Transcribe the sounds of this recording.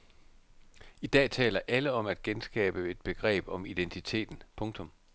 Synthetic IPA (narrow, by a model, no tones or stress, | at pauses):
id̥ɛ̰ːt͡sʰɛ̰ːlɐʔæləɒ̽mæd̥ɡ̥ensɡ̥ɛ̰ːb̥əe̝d̥̚b̥e̝ɡ̥ʁɛ̰ːb̥ɒ̽mid̥ent͡sʰit͡sʰe̝̰ːd̥n̩pʰɔ̽ŋt͡sʰɔ̽m